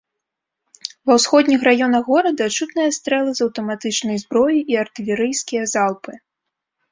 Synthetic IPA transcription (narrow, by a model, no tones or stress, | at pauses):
vɐwsxɔd̪ʲnʲixɾajɔnɐɣɣɔɾɐd̪ɐt͡ʂut̪nɨjɐst̪ɾɛlˠɨzɐwt̪ɐmat̪ɨt͡ʂnɐjzbɾɔjiʔiart̪ɨlʲɛɾɨjskʲijɐzalˠpɨ